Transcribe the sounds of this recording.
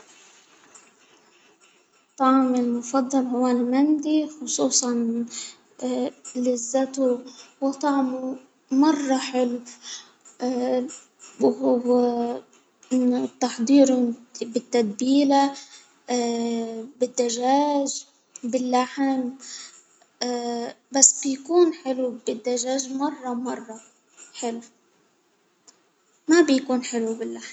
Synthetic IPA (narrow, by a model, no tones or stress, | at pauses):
t̪ˤɑʕmɪlmʊfɑd̪ˤːɑlʕɪwaːnmand̪ixʊsˤuːsˤɑn | lɪzːat̪uwɪt̪ˤɑʕmu | mɑrˤːɑħɪl | ɪt̪ːɑħd̪ˤiːɾbɪt̪ːad̪̚biːla | bɪd̪ːaʒaːʒ | bɪlːaħm | basːbɪjkuːnħɪlubɪd̪ːaʒaːʒmɑrˤːɑmɑrˤːɑ | ħɪl | mabjkuːnħɪlubɪlːaħm